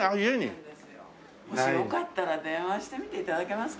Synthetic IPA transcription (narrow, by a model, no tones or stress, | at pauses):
aieɲʲḭ | moɕijo̞kat̪ːaɾad̪ẽ̞ɰ̃βaɕi̥t̪e̞mʲit̪eit̪ad̪ake̞masɨ̥